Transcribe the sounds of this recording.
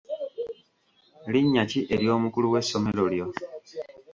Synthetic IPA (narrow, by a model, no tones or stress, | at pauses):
liɲːaciʔe̞ɾjo̞ːmukuluwe̞sːo̞me̞ɾoljo̞